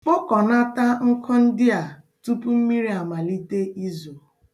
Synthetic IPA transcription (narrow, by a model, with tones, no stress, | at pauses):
k͡po˦kɔ˨na˦ta˦ŋ̩˦kʰɔ˦n̩˦dɪ˦a˨ | tu˦pu˦m̩˦mi˦ɾi˦a˨ma˨li˦te˦ʔi˦zo˨